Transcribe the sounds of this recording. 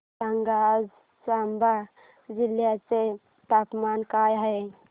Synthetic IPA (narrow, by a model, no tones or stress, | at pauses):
səŋɡaz | samba | d͡ʒiljat͡se | t̪apmankajɦəj